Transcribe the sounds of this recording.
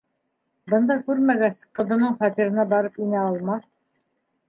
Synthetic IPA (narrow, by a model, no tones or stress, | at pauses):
bɤ̆nd̪ɑkʉɾmæɡæsqːɤ̆ðɤ̆nɤɴχɑt̪iɾɤ̆nɑbɑɾɤpinæɑlˠmɑθ